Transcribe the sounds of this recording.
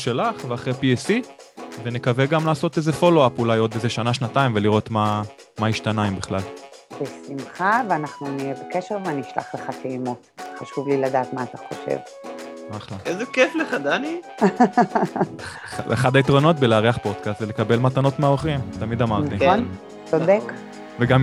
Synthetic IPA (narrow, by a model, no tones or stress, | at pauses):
ʃalaχveaχʁepiesi | ve̞nekaveɡamlaːso̞t̪ezefo̞loapulajo̞d̪bezeʃanaʃnataimveliʁo̞t̪ma | maiʃtanaimbiχlalb̥esimχaveanaχnunijebekeʃeʁveaniiʃla̰χleχatimot̪χaʃuvlilad̪aːt̪maːt̪aχo̞ʃḛv | aχlaezekefleχad̪ani | aḛχad̪ait̪ʁo̞no̞t̪beleaʁiaχpo̞d̪̥kast̪vele̞kabe̞lmat̪anot̪meaoχimt̪amid̪amaʁnt̪in | t͡sodek | veɡam